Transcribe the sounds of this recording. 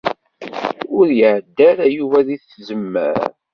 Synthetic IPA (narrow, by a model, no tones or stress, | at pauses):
ʊɾjəʕd̪ːæɾajuvæðiθzəmːə̰ɾ